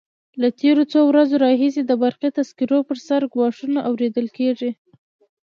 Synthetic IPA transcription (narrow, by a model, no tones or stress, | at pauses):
lat̪eɾot͡sowɾazoɾɑɦis̬ed̪əbaɾxit̪askiɾopəɾsaɾɡwɑʂunaʔawɾed̪əlkeʐi